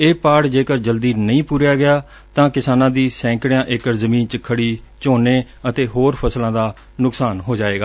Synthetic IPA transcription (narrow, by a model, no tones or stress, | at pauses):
eːpaːɽd͡ʒeːkəɾd͡ʒəld̪iːnəĩːpuːɾjaːɡɪjaː | t̪ãːkɪsaːnãːd̪iːsɛ̃ːŋkɽjãːʔɪkəɾzəmĩːnt͡ʃəkʰːəɽiː | t͡ʃoːneː | ət̪eːɦoːɾpʰəslãːd̪aː | nʊksaːnɦoːd͡ʒaːeːɡaː